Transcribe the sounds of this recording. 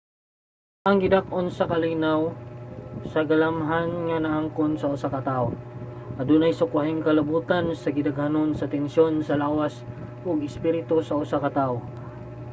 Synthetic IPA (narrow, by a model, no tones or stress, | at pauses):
ʔɐŋɡɪd̪ak̚ʔonsɐkɐlinaw | sɐɡɐlamɦanŋɐnɐʔaŋkonsɐʊsakɐt̪ao | ʔɐd̪unɐjsʊkwaɦɪŋkɐlɐbuːt̪ansɐɡɪd̪ɐɡhɐnonsɐt̪ɛnʃjo̞nsɐlaːwas | ʔoɡɪspiɾɪt̪osɐʊsakɐt̪ao